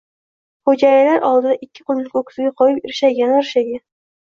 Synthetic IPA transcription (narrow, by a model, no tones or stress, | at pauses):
χod͡ʒajɪlaɾɒlˠd̪ɪd̪aʔɪkʲːɪ̥qʰʊlˠɪkʲʰokʰʲɪ̥zɪɡʲaqʰɒjɪpɪɾɪʃaɡʲanɾɪʃaɡʲan